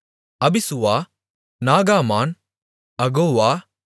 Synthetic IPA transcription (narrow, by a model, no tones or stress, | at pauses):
ɐbisuʋaː | naːɡaːmaːn | ɐɡoːʋaː